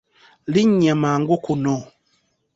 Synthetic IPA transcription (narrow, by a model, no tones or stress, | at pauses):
liɲamaŋɡokonɔ